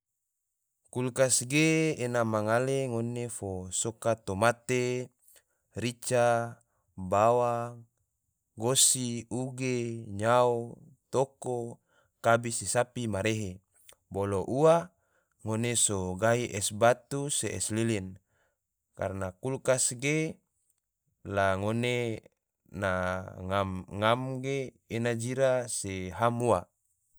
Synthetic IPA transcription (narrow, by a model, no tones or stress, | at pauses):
kulkasɡeːnamaŋaleŋonefosokat̪omat̪e | ɾit͡ʃa | bawa | ɡosiuɡeɲao | t̪oko | kabisisapimaɾeɦe | boloʔua | ŋonesoɡaiʔɛsbat̪useɛslilin | ka̰rnakulkasɡe | laŋone | naŋamŋamɡeː | nad͡ʒiɾaseɦamua